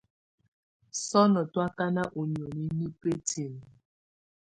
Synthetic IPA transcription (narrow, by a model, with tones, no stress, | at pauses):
sɔ˦nɔ˨twa˦ka˦na˦ʔo˨ɲ˨o˨ni˦ni˦pe˦tʰi˨n˨